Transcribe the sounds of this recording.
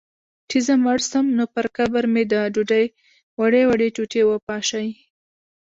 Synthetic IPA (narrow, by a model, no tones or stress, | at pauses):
ʈʰizamaɽsəmnopəɾkabaɾmed̪əɖuɖaj | waɽewaɽeʈuʈewəpɑʃaj